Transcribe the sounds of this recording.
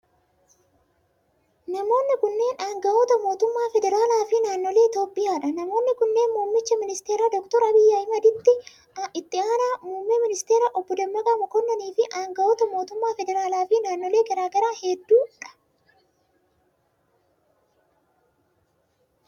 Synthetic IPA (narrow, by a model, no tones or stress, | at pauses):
nɐmo̞ːnːɪkʊnːe̞ːnaːŋɡɐʔot̪ɐmo̞ːt̪ʊmːaːfɛd̪ɛɾaːlaːfɪnaːnːɔle̞ːɪt̪jo̞ːpʼːɪjaːᶑɐnɐmo̞ːnːɪkʊnːe̞ːnmuːmːɪt͡ʃːɐmɪnɪst̪eːɾaːd̪ɔk̚t̪ɔɾɐbɪjːaːɪmɐd̪ɪt̪ːɪ | ʔɪt̪ːɪaːnaːmuːmːɛmɪnɪst̪eːɾaʔɔbːɔd̪ɐmːɐɡʼamɔkɔnːɐniːfɪʔaːŋɡɐʔoːt̪ɐmo̞ːt̪ʊmːaːfɛd̪ɛɾaːlaːfɪnaːnːɔle̞ːɡɐɾaːɡɐɾaːhɛd̪ːuːᶑɐ̥